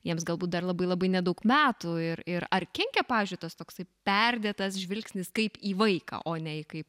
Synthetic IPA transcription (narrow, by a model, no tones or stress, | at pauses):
jiɛmsɡɐlˠbuːt̪d̪ɐrlˠɐbɐɪlˠɐbɐɪnʲɛd̪ɐʊkmʲæːt̪uɪɾɪɾɐrkʲɛŋʲkʲɛpɑːʋʲiːzʲd͡ʒʲʊɪt̪ɐst̪oːksɐɪpʲɛɾʲd̪ʲeːt̪ɐsʒʲʋʲɪlʲksʲnʲɪskɐɪpiːʋɐɪkɑ̰ʔoːnʲɛɪkɐɪp